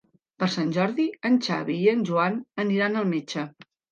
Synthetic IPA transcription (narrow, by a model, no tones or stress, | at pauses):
pəɾsanʲʒɔɾðiənʲt͡ʃa̰βiːənʲʒuanəniɾanəlˠmet͡ʃə